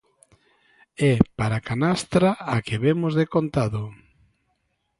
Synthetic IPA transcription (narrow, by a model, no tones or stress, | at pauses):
ɛpaɾakanast̪ɾaakɪβemʊzðekont̪aðʊ